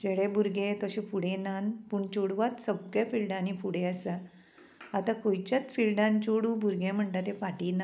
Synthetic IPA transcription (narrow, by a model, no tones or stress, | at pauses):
d͡ʑeɽebʱuɾɡẽt̪əɕẽpuɽẽnanpuːɳt͡ɕoɽʋat̪səbjafilɖãnifuɽẽəsa | at̪ãkojt͡ɕat͡sfilɖãnt͡ɕoɽubʱuɾɡẽm̤əɳʈ̪at̪ẽfaʈina